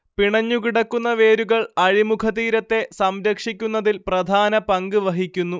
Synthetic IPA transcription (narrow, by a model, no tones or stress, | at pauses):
piɳɐɲːukiɽɐkːunːɐʋe̞ːɾuɣɐɭɐɻimukʰɐðiːɾɐt̪ːe̞sɐmɾɐkʂikʲːunːɐðilprɐd̪ʱaːnɐpɐŋɡɨʋɐɦikʲːunːu